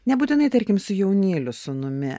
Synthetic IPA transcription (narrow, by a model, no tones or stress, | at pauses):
nʲɛbuːt̪ʲɪnɐɪt̪ɐɾʲkʲɪmsʊjɛʊnʲeːlʲʊsʊnʊmʲɪ